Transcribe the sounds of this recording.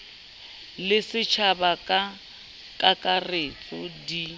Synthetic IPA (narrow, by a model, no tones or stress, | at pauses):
lɪsɪt͡ʃʰabakʼa | kʼakʼaret͡sʼɔdi